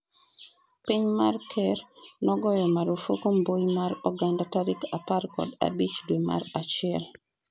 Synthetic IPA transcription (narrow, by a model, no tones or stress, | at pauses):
piɲmarkʰɛrnɔɡɔjɔmaɾofokombojimaɾɔɡandataɾikaparkɔ̰da̰bit͡ʃdwema̰ɾat͡ʃɪɛl